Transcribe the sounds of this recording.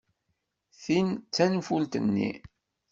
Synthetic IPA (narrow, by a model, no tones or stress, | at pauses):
θint͡sːænfult̪ə̰nːḭ